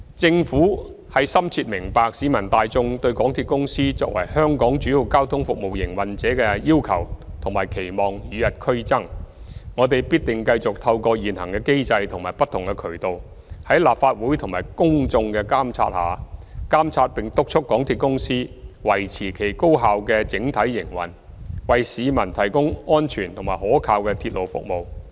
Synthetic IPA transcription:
t͡sɪ˧ŋfuː˨˥ | hɐ˨˥jsɐ˥mt͡sʰiː˧t̚mɪ˨˩ŋpaː˨˧k̚siː˨˥mɐ˨˩nt̪aː˨jt͡sʊ˧ŋt̪ɵ˧ɥkɔː˨˥ŋt̪ʰiː˧t̚kʊ˥ŋsiː˥t͡sɔ̰ː˧k̚wɐ̰˨˩jhœː˥ŋkɔː˨˥ŋt͡ʃyː˨˥ji˨˧wkaː˥wt̪ʰʊ˥ŋfʊ˨k̚mo˨wjɪ˨˩ŋwɐ˨˩nt͡sɛː˨˥kɛ˧jiː˥wkʰɐ˨˩wt̪ʰʊ˨˩ŋmaː˨˩jkʰe˨˩jmɔː˨˩ŋjyː˨˧jɐ˨t̚kʰɵ˥ɥt͡sɐ˥ŋŋɔː˨˧t̪e˨jpiː˥t̚t̪ɪ˨˩ŋkɐ˧jt͡sʊ˨k̚t̪ʰɐ˧wkɔː˧jiː˨˩nhɐ̰˨˩ŋkɛ˧ke˥jt͡sɐ˧jt̪ʰʊ˨˩ŋmaː˨˩jpɐ˥t̪ʰːʊ˨ŋkɛ˧kʰɵ˨˩ɥt̪o˨w | hɐ˨˥jlaː˨p̚faː˧t̚wuː˨˥jt̪ʰʊ˨ŋmaː˨˩jkʊ˥ŋt͡sʊ˧ŋkɛː˧kaː˥mt͡sʰa̰ː˧t̚ha̰ː˨˧kaː˥mt͡sʰaː˧t̚pɪ˨ŋt̪ʊ˥k̚t͡ʃʰʊ˥k̚kːɔː˨˥ŋt̪ʰiː˨t̚kʊ˥ŋsiː˥wɐ˨˩jt͡sʰiː˨˩kʰe˨˩jko˥wɦaː˨wkɛː˧t͡sɪ˨˥ŋt̪ʰɐ˨˥jːɪ˨˩ŋwɐ̰˨˩n | wɐ˨jsiː˨˧mɐ˨˩nt̪ʰɐ˨˩jkʊ˥ŋɔː˥nt͡ʃʰyː˨˩nt̪ʰʊ˨˩ŋmaː˨˩jhɔː˨˥kʰaː˧wkɛː˧t̪ʰiː˧t̚lo˨˩wfʊ̰˨k̚mo˨w

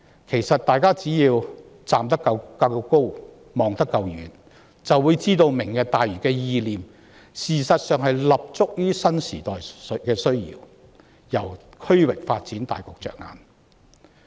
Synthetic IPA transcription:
kʰe˨˩jsɐ˨t̚t̪aː˨jkaː˥t͡siː˨˥jiː˧w | t͡saː˨mt̪ɐ˥kːɐ˧wkɐ˧ko˥w | mɔː˨ŋt̪ɐ˥kːɐ˧wjyː˨˩n | t͡sɐ˨wːuː˨˧jt͡siː˥t̪o˧wmɪ˨˩ŋkɛː˧t̪aː˨jɥyː˨˩kɛː˧jiː˧liː˨m | siː˨sɐ˨t̚sœː˨ŋɦɐ˨jlɐ˨p̚t͡sʊ˥k̚jyː˥sɐ˥nsḭː˨˩t̪ɔː˨jkɛː˧sɵ˥ɥjḭː˨˧w | jɐ˨˩wkʰɵ˥ɥwɪ˨k̚faː˧t̚t͡siː˨˥nt̪a̰ː˨jkɔː˨˧k̚t͡ʃœ̰ː˨˩ŋa̰ː˨˧n

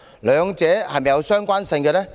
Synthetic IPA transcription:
lœː˨˧ŋt͡sɛː˨˥hɐ˨jmɐ˨jɐ˧wsœː˥ŋkʷaː˥nsɪ˧ŋkɛ˧lɛː˥

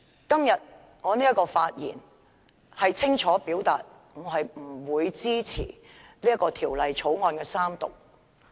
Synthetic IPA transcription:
kɐ˥mjɐ˨t̚ | ŋɔː˨˧niː˥jɐ˥tkɔː˧faː˧t̚jḭː˨˩n | hɐ˨jt͡sʰɪ˥ŋt͡ʃʰɔː˨˥piː˨˥wt̪a̰ː˨t̚ | ŋɔː˨˧ɦɐ˨jm̩˨˩wuː˨˧jt͡siː˥t͡sʰḭː˨˩ | liː˥jɐ˥tkɔː˧t̪ʰiː˨˩wlɐ˨jt͡sʰo˨˥wŋɔː˧nkɛː˧saː˥mt̪ʊ̰˨˩k̚

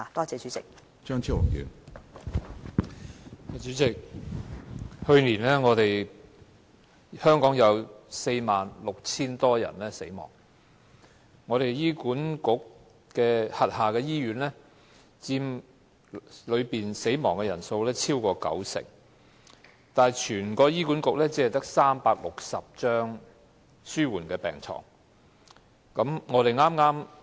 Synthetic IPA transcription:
a˨t̪ɔː˥t͡sɛː˨˧t͡ʃyː˨˥t͡sɪ˨k̚ | t͡ʃœː˥ŋt͡sʰi˥wʊ̰˨˩ŋjy̰ː˨˥n | a˨˧t͡ʃyː˨˥t͡sɪ˨k̚ | hɵ˧ɥniː˨˩nlɛː˥ŋɔː˨˧t̪e˨j | hœː˥ŋkɔː˨˥ŋjɐ˨˧wse˧jmaː˨nlʊ˨k̚t͡sʰiː˥nt̪ɔː˥jɐ̰˨˩nlɛː˥se˨˥jmɔ̰ː˨˩ŋ | ŋɔː˨˧ɾe˨jjiː˥kuː˨˥nkʊ˨˥k̚ | kɛː˧hɐ˨t̚haː˨kɛː˧jiː˥ɥyː˨˧˥nlɛ˥ | t͡siː˧m | lɵ˨˧ɥpiː˨nse˨˥jmɔː˨˩ŋkɛː˧jɐ˨˩nso˧wlɛː˥t͡sʰiː˥wkɔː˧kɐ̰˨˥wsɪ̰˨˩ŋ | t̪aː˨t͡ʃʰyː˨˩nkɔː˧jiː˥ku˨˥nkʊ˨k̚lɛː˥t͡siː˨˥hɐ˨jt̪ɐ˥k̚saː˥mpaː˧k̚lʊ˨k̚sɐ˨p̚t͡ʃœː˥ŋ | syː˥wuː˨˩nkɛː˧pɛ̰ː˨˩ŋt͡sʰɔ̰ː˨˩ŋ | kɐ˨˥mŋɔː˨˧ɾe˨jŋaː˥mŋaː˥m

